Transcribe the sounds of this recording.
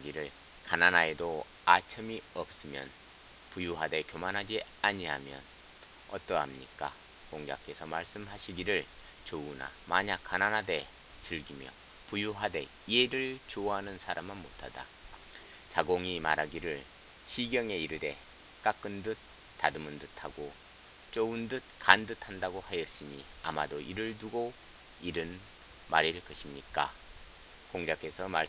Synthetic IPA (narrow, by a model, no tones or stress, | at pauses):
ɡiɾɯɭ | kananaedo | at͡ɕʰɯmiʌp̚s͈ɯmjʌ̰n | pujuɦade̞kjomanɦad͡ʑi | aɲiɦamjʌ̰n | ʌ̰t͈ʌɦamɲik͈a̰ | koŋd͡ʑa̰k͈e̞sʰʌmaɭs͈ɯmɦaɕʰiɡiɾɯɭ | t͡ɕouna̰maɲak̚k͈ːananɦade̞ | t͡ɕɯɭɡimjʌ̰ | pujuɦade̞ | ie̞ɾɯɭt͡ɕoɦanɯnsʰaɾamɯnmotʰad̥a̰ | t͡ɕaɡoŋimaɾɦaɡiɾɯɭ | ɕʰiɡjʌŋe̞iɾɯde̞̰ | k͈ak͈ɯndɯt̚ | tːadɯmɯndɯtʰaɡo | t͡ɕ͈oundɯt̚kandɯtʰandaɡohajʌs͈ɯɲi | a̰ma̰doʔiɾɯɭtuɡo | iɾɯn | maɾiɭkʌɕʰimɲik͈a̰ | koŋd͡ʑakʰe̞sʰʌma